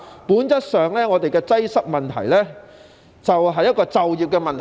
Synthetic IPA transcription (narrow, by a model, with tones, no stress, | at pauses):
puː˨˥nt͡sɐ˥t̚sœː˨ŋlɛː˥ŋɔː˨˧t̪e˨jkɛː˧t͡sɐ˥jsɐ˥k̚mɐ˨˩nt̪ʰɐ̰˨˩jlɛː˥ | t͡sɐ˨wɦɐ˨jːɐ˥t̚kɔː˧t͡sɐ˨wjiː˨p̚kɛː˧mɐ˨nt̪ʰ